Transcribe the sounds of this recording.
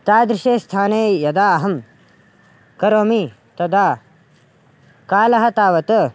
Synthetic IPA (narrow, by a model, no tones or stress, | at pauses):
t̪aːd̪ɾɪʃeːst̪ʰaːneːjɐd̪aːɐɦɐm | kɐɾoːmi | t̪ɐd̪aː | kaːlɐɦɐt̪aːʋɐt̪ɐ